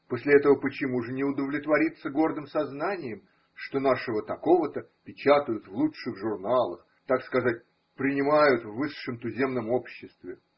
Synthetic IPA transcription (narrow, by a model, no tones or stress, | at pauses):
posʲlʲɪɛt̪əvəpət͡ɕɪmuʐɨnʲɪʊd̪əvlʲɪt̪vɐɾʲit̪sːəɡo̞rd̪ɨmsɐznanʲɪjɪm | ʂt̪o̞naʂɨvət̪ɐko̞vət̪ə | pʲɪt͡ɕat̪əjʊt̪vlˠuʂɨɣʐʊrnalˠəx | t̪akskɐzat̚ʲ | pɾʲɪnʲɪmajʊt̪vːɨʂːɨmt̪ʊzʲe̞mnəmo̞pɕːɪst̪vʲɪ